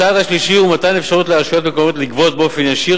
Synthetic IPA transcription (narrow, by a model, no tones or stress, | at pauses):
aːd̪haʃliʃiumat̪ajnefʃaʁut̪leaʃot̪mekoot̪likvo̞t̪̚beo̞fe̞njaʃi